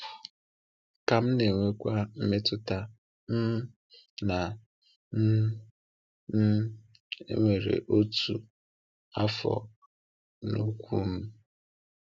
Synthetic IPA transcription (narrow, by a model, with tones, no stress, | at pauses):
ka˨m̩˦ne˨ŋʷe˦kʷa˦m̩˦me˦tʊ˦ta˦ | m̩˦ | na˨ | n˦ | ḛ˦ŋʷe˨ɾḛ˨ʔo˦tu˨ | a˦fɔ̰˨ | nu˦kʷu˦m̩˦